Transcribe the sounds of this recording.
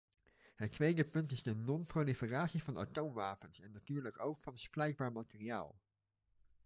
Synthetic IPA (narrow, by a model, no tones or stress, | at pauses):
hɛkv̥ɛːɡəpʏntɪsdənɔnpʁolifəʁaːsifɔna̰toːnvaːpənsɛnnatyːɐləkoʊxfɔnsflɛɪxb̥aːmatəʁia̰ːl